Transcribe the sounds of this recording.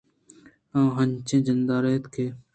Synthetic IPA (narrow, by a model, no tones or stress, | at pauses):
ãːɦəɲt͡ʃẽːd͡ʒənd̪aːɾeːt̪kʰeː